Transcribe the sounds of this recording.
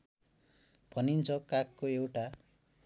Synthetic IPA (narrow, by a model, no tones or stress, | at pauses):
b̥ʱʌnint͡sʰʌkakːoewʈa